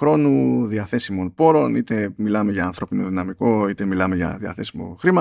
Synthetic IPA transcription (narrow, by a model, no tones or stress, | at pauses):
ɾo̞nuðiɐθe̞simo̞npo̞ɾo̞nit̪e̞milɐme̞ʝɐːnθɾo̞pino̞ðinɐmiko̞it̪e̞milɐme̞ʝɐ̰ðiɐ̰θe̞simo̞̰xɾimɐ